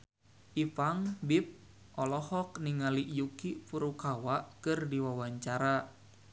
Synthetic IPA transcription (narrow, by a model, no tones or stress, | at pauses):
ʔifaŋbip̚ | ʔɔlɔhɔk̚niŋaliʔjukipuɾukawaʔkɨrdiwawaɲt͡ʃaɾa